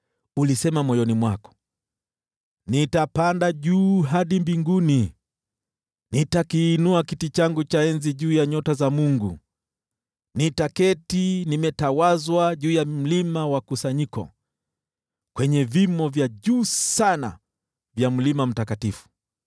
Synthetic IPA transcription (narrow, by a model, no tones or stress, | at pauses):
ulisɛmamɔjɔnimwakɔ̥ | nitapandaʄuːɦaɗimbiŋɡuni | nitakiːnuakitit͡ʃaŋɡut͡ʃaɛnziʄuːjaɲɔtazamuŋɡṵ | nitakɛtinimɛtawazwaʄuːjam̩limawakusaɲikɔ̰ | kwɛɲɛvimɔvjaʄuːsana̰ | vjam̩limam̩takatifu̥